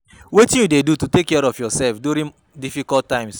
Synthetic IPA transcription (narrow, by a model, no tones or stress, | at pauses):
wetĩnjudedututekːɛɾɔfjɔsɛlfdjuɾĩŋ | difikɔltːãɪ̃ms